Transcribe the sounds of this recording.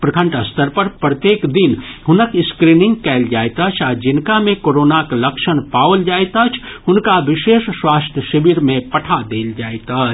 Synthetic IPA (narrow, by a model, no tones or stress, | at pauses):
pɾəkʰə̃ɳʈəst̪əɾpəɾpɾət̪jeːkd̪inɦʊnəkɪskɾinɪ̃ŋɡkɛːld͡ʒaːet̪at͡ʃʰad͡ʒɪnkamẽkoːɾoːnakləkʃənpawld͡ʒaːet̪at͡ʃʰ | ɦʊnkaʋɪʃeːʃswaːst̪ʰjəʃibiɾmẽpəʈʰad̪eːld͡ʒaːet̪at͡ʃʰ